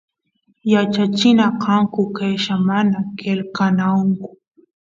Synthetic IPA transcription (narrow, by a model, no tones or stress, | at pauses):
jat͡ʃat͡ʃɪnaqɑŋkʊkajʃamanakelkanaŋkʊ̥